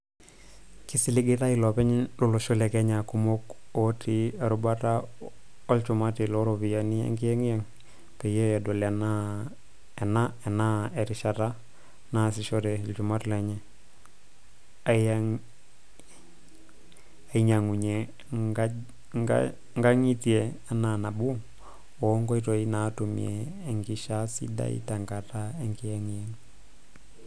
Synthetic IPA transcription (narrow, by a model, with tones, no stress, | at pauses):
ki˦si˦li˦ɡi˦ta˦ilo˨pɛ˦ɲlu˦˨lo˨ʃo˦le˨kɛ˦ɲa˨ku˦mo˦ko˦tʰi˦a˨ɾu˨ba˦ta˦ | o˦lt͡ʃu˨ma˦ti˨lo˦ɾo˨bi˨ja˨ni˦ḛ˦ŋki˦jɛ˦ŋi˦jɛ˦ŋ | pe˨je˦ɛ˨do˨le˨na | e˨na˦ɛ˨na˦e˨ɾi˨ʃa˨ta˦ | na˦si˨ʃo˦ɾɛ˨lt͡ʃu˨ma˦ti˨le˨ɲe˦ | a˨a | a˨i˦ɲa˨ŋu˨ɲɛ | ŋɡa˦ŋi˦tiɛ˨ | a˦na˨na˨bu˦ | ɔ˨˦ŋɡɔ˦i˦to˨i˦na˨tu˨mḭeː˨ŋɡi˨ʃa˦sḭ˦da̰˦ḭ˦ta˨ŋɡa˨ta˦e˦ŋɡi˦jɛ˦ŋjɛŋ